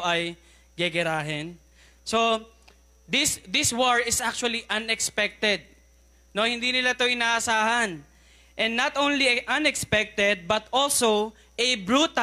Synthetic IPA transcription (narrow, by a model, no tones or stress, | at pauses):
ʔɐj | ɡɛɡɛɾaːɦɛn | so | d̪ɪsd̪ɪswoɹɪsʔak̚t͡ʃʊɐliʔɐnɛkspɛk̚t̪ɛd̪̚ | no̞hɪ̃nd̪inɪlat̪o̞ʔɪnaːʔɐsaːhɐn | ʔɛnnɐt̪ʔownliɛʔɐnɛkspɛk̚t̪ɛd̪̚bɐt̪olsow | ʔɛbɹuːt̪a